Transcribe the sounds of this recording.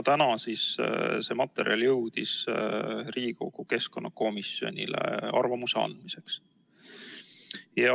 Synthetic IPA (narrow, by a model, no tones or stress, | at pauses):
t̪ænɑsisse̞ːmɑt̪ːˑe̞ɾiɑljɤwd̪̥is | riːko̞̰ɡ̥uke̞sko̞nːɑko̞misjo̞̰nʲilḛɑrvɑmuseɑ̰nd̪̥mise̞ks | jɑ